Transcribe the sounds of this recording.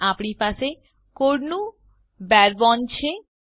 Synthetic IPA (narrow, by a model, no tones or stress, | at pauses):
apniɾpaʃe | koɾnu | bɛɾbɔnt͡ɕʰe